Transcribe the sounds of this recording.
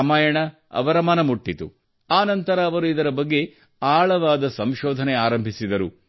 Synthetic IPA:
ɐmaːjɐɳɐ | ɐ̰ʋɐɾɐmɐnɐmuʈːit̪u | aːnɐnt̪ɐɾɐːʋɐɾuid̪ɐɾɐbɐɡːe̞ | aːɭɐʋaːd̪ɐsɐmʃɔːd̪ʱɐneaːɾɐmbʱisid̪ɐɾṵ

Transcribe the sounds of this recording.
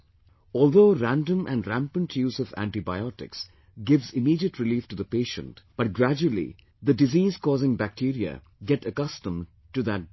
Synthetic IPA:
ɔːlˠd̪oːɾæ̃ndə̃mʔæ̰̃nɾæ̃mpə̃nʈʰjuːzɔvæ̰̃nʈibaɪɔʈɪ̰ks | ɡɪʋzɪmiːɖiəʈʰɾɪliːfʈud̪əpeːʃə̰̃ntb̥ʌʈ̚ɡɾæd͡ʒuəl̩ḭ | d̪əɖɪziːzkɔːzɪ̃ŋbæk̚ʈʰiɾiə̰ | ɡɛʈəkʌstə̃m | ʈud̪æt̚

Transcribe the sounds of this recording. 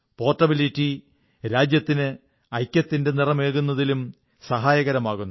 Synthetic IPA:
po̞ːrʈːɐbilitːi | ɾaːd͡ʑjɐt̪ːinɨ | ɐjkʲːɐt̪ːinde̞nirɐme̞ːɭɣunːɐðilum | sɐɦaːjɐɣɐɾɐmaːɣunː

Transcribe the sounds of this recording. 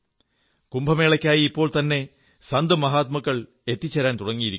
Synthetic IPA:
kumbʱɐme̞ːɭɐkʲːaːjiipːo̞ːɭt̪ɐnːe̞ | sɐnd̪ɨmɐɦaːt̪̚mɐkːɐɭ | et̪ːit͡ɕːɐɾaːnt̪uɽɐŋːijiɾik

